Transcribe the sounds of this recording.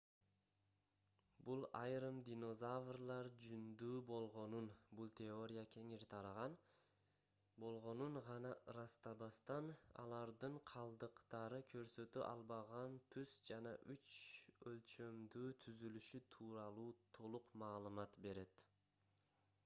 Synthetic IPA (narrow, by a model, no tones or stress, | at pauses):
bulˠɑjɾɯmd̪ʲino̞zavrlˠɑɾd͡ʒynd̪yːbo̞lˠʁo̞nunbulˠt̪ʲʰeo̞ɾʲɪjakʲʰe̞ŋiɾt̪ʰɑɾɑʁɑn | bo̞lˠʁo̞nuɴʁɑnɑɾɑst̪ɑbɑst̪ɑnɑ̰lˠɑɾd̪ɯɴqʰɑlˠd̪ɯqt̪ɑɾɯkʰø̞ɾsø̞t̪yʔɑ̰lˠbɑʁɑnt̪ʰyz̥d͡ʒɑnɑʔyt͡ʃølt͡ʃø̞md̪yːt̪ʰyzylyʃyt̪ʰuːɾɑlˠuːt̪ʰo̞lˠuqmɑːlˠɯmɑt̪be̞ɾe̞t̪